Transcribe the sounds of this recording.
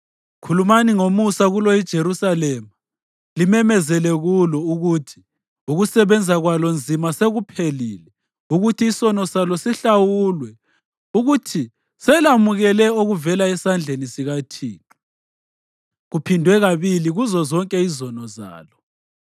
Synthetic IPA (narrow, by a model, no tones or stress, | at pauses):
kʰulumaniŋomusaɣulɔid̥ʒ̥ʱeɾusalɛma | limɛmɛzɛlɛɣulɔuɣutʰi̥ | uɣusɛβɛnd͡zʱaɣwalɔnd͡zʱimaseɣupʰeliːlɛ | uɣutʰiːsɔnɔsalɔsiɬawulwɛ | uɣutʰi | sɛlamuɣɛlɛoɣuvɛlaɛsand͡ɮʱenisiɣatʰiːtʰu̥ | ɣupʰindʱwɛɣaβiliɣuzɔzɔŋkʼɛizɔnɔza̰ːlɔ